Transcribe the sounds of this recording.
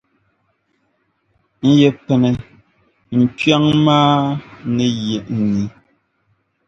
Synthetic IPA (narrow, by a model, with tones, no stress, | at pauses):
n̩˦jɛ˨pɛ˨nɛ˨ | n̩˨tɥa˦ŋmaː˦nɛ˨jɛ˨ʔn̩˨ni˨˦